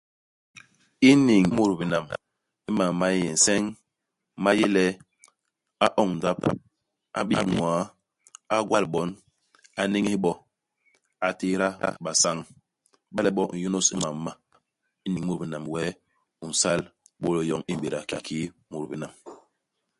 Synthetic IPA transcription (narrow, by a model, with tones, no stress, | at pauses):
i˦ni˨ŋ˦mu˦ɾbi˨na˨m | i˦ma˨ma˦jɛ˨n̩˨sɛ˦ŋ | ma˦je˦lɛ˦ | a˦ʔɔ˦ŋn̩˨da˦p | a̰˨˦bi˦nwa˨˦ | a˦ɡwa˦˨lɓɔ˨˦n | a˨ni˦ŋ˦i˦ɓɔ˦ | a˨te˦ɾa̰˦ɓa˨sa˦ŋ | ɓa˦lɛ˨ɓɔ˦˨n̩˨jo˦no˦sḭ˦ma˨˦ma˦ | i˦ni˨ŋ˦mu˦˨bi˨na˨mwɛ˦ | u˨n̩˨sa˦l | ɓo˦le˨jɔ˨ŋi˦˨bi˨ɾa˨ka˨ki˦mu˨ɾbi˨na˨m